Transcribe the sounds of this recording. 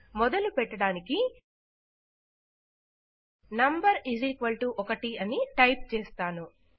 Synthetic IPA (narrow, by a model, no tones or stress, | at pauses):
mɔd̪ɐlupɛʈːɐɽaːniki | nɐmbɐɾiziːkʋɐlʈuʔɔkɐʈiɐniʈɐjp̚t͡ʃeːst̪aːnu